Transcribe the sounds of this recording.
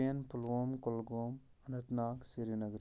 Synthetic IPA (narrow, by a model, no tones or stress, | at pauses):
jɐnpulʋoːmkolɡoːm | ɐnɐt̪naːksiɾinɐɡɾ